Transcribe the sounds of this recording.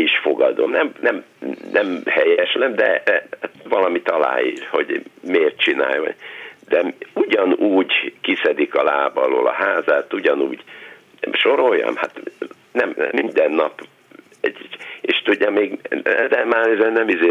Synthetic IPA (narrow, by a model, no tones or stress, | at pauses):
iʃfo̞ɡɒd̪o̞mnɛmnɛmnʔɛmhɛjɛʃlɛmd̪ɛhat̪ʋɒlɒmit̪ɒla̰ːiːlho̞ɟmeːrt̪̚t͡ʃina̰ːjo̰nd̪ɛuɟɒnuːɟkisɛd̪ikɒlaːbɒlo̰lɒ̰haːzaːt̪uɟɒnṵːɟ | ʃoɾo̞jːɒ̰mhat̪ | nɛmmind̪ɛnːɒp | ɛɟeːʃt̪uɟːɒmeːɡɛd̪ɛmaːnɛzɛnnɛmizeː